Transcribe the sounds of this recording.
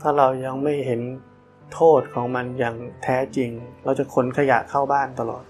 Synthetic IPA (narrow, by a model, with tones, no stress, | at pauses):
t̪ʰaː˥˩ɾa˧wja˧ŋma˥˩jɦe˩˦n | t̪ʰoː˥˩t̪̚kʰɔː˩˦ŋma˧njaː˨˩ŋt̪ʰɛː˦˥t͡ɕi˧ŋɾa˧wt͡ɕa˨˩kʰo˩˦nkʰa˧ja̰˨˩kʰa˥˩wbaː˥˩nt̪a˧lɔ̰ː˨˩t̪̚